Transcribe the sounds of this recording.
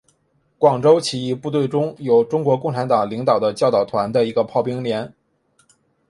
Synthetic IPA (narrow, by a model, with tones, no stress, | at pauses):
kwɑ˨˩ŋʈ͡ʂo˥ʊt͡ɕʰi˨˩i˥˧pu˥˧t̪we˥˩ɪʈ͡ʂʊ˥ŋjo˨˩ʊʈ͡ʂʊ˥ŋkwɔ˧˥kʊ˥˩ŋʈ͡ʂʰa˧˥nt̪ɑ˨˩ŋli˧˥ŋt̪ɑ˨˩ʊd̪ə˦t͡ɕjɑ˥˧ʊt̪ɑ˨˩ʊt̪ʰwa˧˥nd̪ə˧i˧˥ɡə˧pʰɑ˥˩ʊpi˥ŋljɛ˧˥n